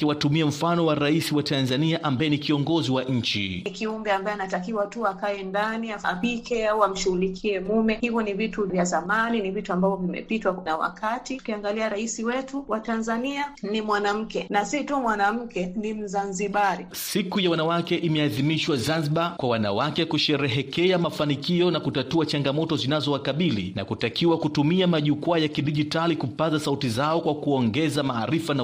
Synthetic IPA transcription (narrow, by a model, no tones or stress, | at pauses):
ɛwatumiam̩fanɔwaɾaisiwatanzaniaʔambajɛnikiɔŋɡɔziwaʔɲ̩t͡ʃḭikiumbɛambaɛanatakiwatuakaɛndaniaa̰pikʰɛawam̩ʃuɣulikʰiɛmumɛhivɔnivituvjazamaninivituambavɔvimɛ̰pitwanawa̰kʰatiu̥kiaŋɡaliaɾaisiwɛtuwatanzanianimwanam̩kɛnasitumwanam̩kɛnim̩zanziɓaɾisikujawanawakɛʔimɛaðimiʃwazanziɓakwawana̰wakɛkuʃɛɾɛɦɛkɛamafanikiɔnakutatuat͡ʃaŋɡamɔtɔzinazɔwakaɓilḭna̰kutakiwakutumiamaʄukuajakiɗiʄitalikupazasautizaɔkwakuɔŋɡɛzamaːɾifana